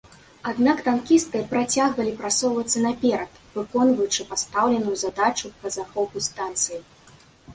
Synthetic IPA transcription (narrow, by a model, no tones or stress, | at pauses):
ad̪nakt̪ankʲist̪̚kɐjɐpɾat͡sʲaɣvɐlʲipɾat̪sɔwvɐt̪sːɐnɐpʲɛɾɐt̪vɨkɔnvɐjut͡ʂɨpast̪awlʲɛnujuzad̪at͡ʂupɐzaxɔpust̪ant̪sɨji